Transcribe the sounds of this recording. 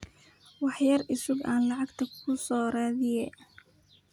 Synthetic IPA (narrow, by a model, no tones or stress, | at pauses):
wɑħjɐrɪsʊɡaːnlɑʕɑɡt̪ʰɐkʰʊsɔːɾaːðɪjɛ